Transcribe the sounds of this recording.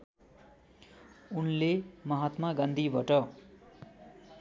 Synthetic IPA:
unlemʌɦat̪mʌɡʌ̃nd̪ʱibʱʌʈʌ

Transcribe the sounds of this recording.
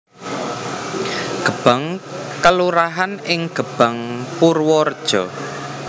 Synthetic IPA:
ɡ̥əb̥a̤ŋkəluɾaɦanɪŋɡ̥ə̤b̥a̤ŋpurwɔrd̥ʒ̥ɔ

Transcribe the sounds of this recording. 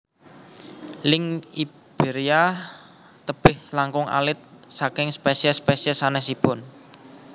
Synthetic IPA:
lɪŋi | b̥eɾia | t̪əb̥ɪhlaŋkʊŋʔa̰lɪt̪̚sakɪŋspesɛspesɛsanɛhsipʊn

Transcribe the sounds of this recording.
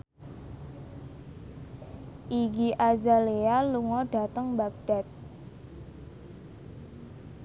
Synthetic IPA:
ʔiɡiʔazalealuŋɔɖ̥a̤t̪əŋbak̚ɖ̥a̤t̪̚

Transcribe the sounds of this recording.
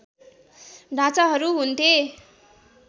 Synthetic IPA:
ɖʱat͡saɦʌɾuɦunt̪ʰe

